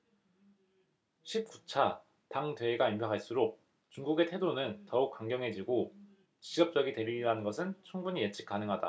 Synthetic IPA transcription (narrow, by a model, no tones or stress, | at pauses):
ɕʰip̚k͈ut͡ɕʰa | taŋtweːɡaimpʰjʌkʰaɭs͈uɾok̚ | t͡ɕuŋɡuɡe̞tʰe̞donɯntʌuk̚k͈aŋɡjʌŋɦe̞d͡ʑiɡo | t͡ɕiɡʌp̚t͡ɕ͈ʌɡite̞ɾiiɾanɯnɡʌsʰɯnt͡ɕʰuŋbuɲije̞t͡ɕʰi̥k͈anɯŋɦada̰